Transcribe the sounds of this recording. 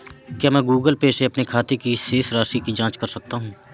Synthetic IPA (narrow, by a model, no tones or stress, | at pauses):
kjaːmɛ̃ːɡuːɡəlpeːseɐpnekʰaːt̪ekiseːsɾaːʃikid͡ʒãːt͡ʃkɐɾsɐk̚t̪aɦũː